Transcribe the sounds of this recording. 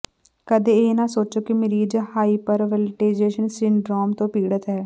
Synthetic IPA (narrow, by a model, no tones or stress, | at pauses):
kəd̪eːeːnãːsoːt͡ʃoːkimɪɾiːd͡ʒhaːiːpəɾʋɛlʈeːzeːʃənsɪɳɖɾɔːmt̪õːpiːɽət̪ɦɛː